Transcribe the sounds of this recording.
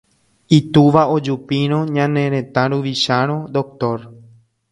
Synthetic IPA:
it̪uʋaod͡ʒupĩɾ̃õɲãnẽ̞ɾẽ̞t̪ãɾuʋiʃaɾ̃õd̪o̞k̚t̪oɾ

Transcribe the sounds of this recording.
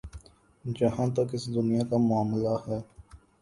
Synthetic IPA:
d͡ʒɐɦãːt̪ɐkɪsd̪ʊnijakamʊaːmlahɛː

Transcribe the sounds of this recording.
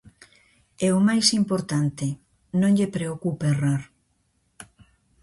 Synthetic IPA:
ɛʊmajsimpoɾt̪ant̪ɪ | nõŋʎepɾeokuperaɾ

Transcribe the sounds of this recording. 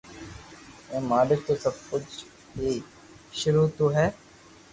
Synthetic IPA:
ɛ̃ːmaːlɪk̚t̪oːsɐb̚kʊt͡ʃ | ɦiː | ʃʊɾuːt̪oɦɛː

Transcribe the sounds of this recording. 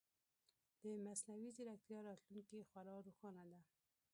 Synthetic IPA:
d̪̥əmasnawizɪɾak̚t̪ijɑɾɑt̪luŋkixwalɑɾoxɑnad̪a

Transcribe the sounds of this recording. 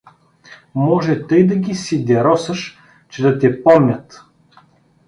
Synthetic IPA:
mɔʒɛt̪ɤjd̪ɐɡʲisid̪ʲɛɾɔsəʃ | t͡ʃɛd̪ɐt̪ɛpɔmnʲət̪

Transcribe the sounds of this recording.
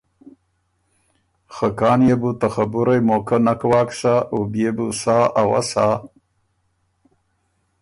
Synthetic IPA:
xakɑːnjebut̪axabuɾajmokanakwaːkʂaʔobjebusaːawa̰saː

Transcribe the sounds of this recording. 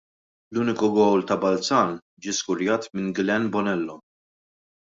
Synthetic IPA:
luːnɪkʊɡɔwlt̪ɐbɐlt͡sɐːn | d͡ʒiːskʊɾjɐːt̪mɪnɡlɛnbɔnɛlːɔ

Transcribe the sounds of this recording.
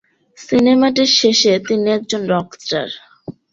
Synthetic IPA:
sinemaʈiɾʃeʃet̪iniɛk̚d͡ʑonɾɔkʈa̰ɾ

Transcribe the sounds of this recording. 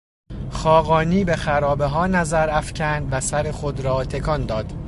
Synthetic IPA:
xɒːɣɒːniːbe̞xæɾɒːbeɦɒːnæzæɾæfcʰænd̪væsæɾe̞xod̪ɾɒːt̪ʰe̞kʰɒnd̪ɒːd̪̥

